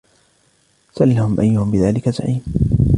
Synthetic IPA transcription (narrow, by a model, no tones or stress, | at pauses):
salːahʊmʔa̰jːʊhʊmbɪðaːlɪkaza̰ʕiːm